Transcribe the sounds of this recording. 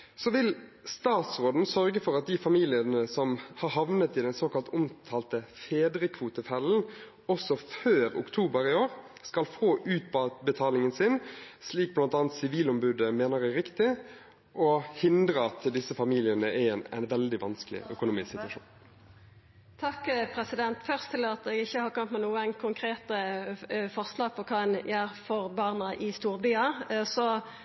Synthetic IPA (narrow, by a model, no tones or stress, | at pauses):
sɔʋɪlst̪ɑːt̪sʁoːd̪n̩sœʁɡəfɔʁɑt̪̚d̪ɪfɑmiːlɪənəsɔmhɑʁɦɑʋnət̪ɪd̪ɛnsoːkɑlt̪ʊmt̪ʰɑːlt̪əfeːd̪ɾəkʰʋuːt̪əfɛln̩ | ɔsɔføːɾʊ̰kt̪ʰuːbəɾɪoːʁ | skɑlfoːʔʉːt̪̚bɑbət̪ʰɑːlɪŋənsɪnsliːk̚blɑnt̪ɑːnt̪sɪʋiːlɔmbʉd̪əmeːnəʁæɾɪkt̪ɪ | ʔɔhɪnd̪ʁəɑt̪d̪ɪsəfɑmiːlɪənəʔæɛnæ̰ɪnʋɛld̪ɪʋɑnsklɪ̰ʔœkʊnuːmɪssɪt̪ʋɑʂṵːn | t̪ʰɑkːpʰɾɛsɪd̪ɛnt̪fœʁst̪ʰɪlɑt̪ɛːɡɪçːəhɑʁkʰɑmt̪mɛnuːəənkʰʊŋkʰʁeːt̪ə | fɔʁslɑːɡ̚pʰɔkʰɑɛnjæːɾfɔʁbɑːʁnəʔɪst̪uːʁbyːɑsɔ